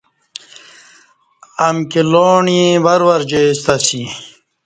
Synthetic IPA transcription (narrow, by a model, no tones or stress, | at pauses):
ɐmkiloːɳĩbɐɾwɐɾd͡ʑest̪ɐsi